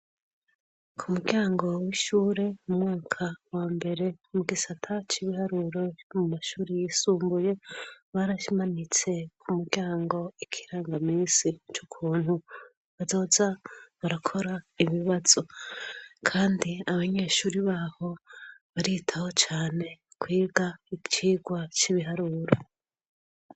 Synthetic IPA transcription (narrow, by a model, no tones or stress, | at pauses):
kʰumuɾɟaːŋɡo̞wiʃuːɾe̞mumŋaːkʰawaːmbe̞ɾe̞muɡisatʰat͡ʃiβihaɾuɾo̞mumaʃuːɾijisuːmbuje̞βaːɾaʃimanit͡se̞kʰumuɾɟaːŋɡo̞ikʰiɾaːŋɡamiːnsit͡ʃukʰuːnhu | βazo̞ːzaβaɾakʰo̞ɾaiβiβaz̥o̞ | kʰaːndiaβaɲe̞ːʃuːɾiβaːho̞βaɾitʰaho̞t͡ʃaːne̞kwiːɡait͡ʃiːɡwat͡ʃiβiɦaɾuɾo̞